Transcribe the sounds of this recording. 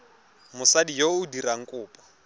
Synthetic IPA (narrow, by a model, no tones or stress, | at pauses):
mʊsadijoʊdiraŋ̩kʼʊːpʼḁ